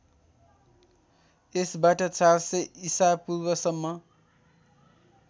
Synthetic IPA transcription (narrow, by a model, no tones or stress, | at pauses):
esbaʈʌt͡sarseisabpurbʌsʌmːʌ